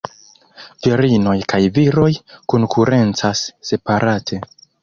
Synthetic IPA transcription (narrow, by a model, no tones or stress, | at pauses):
viɾino̞jkajviɾo̞jkoŋkʰuɾʔe̞nt͡sasːe̞paɾʔatʰe̞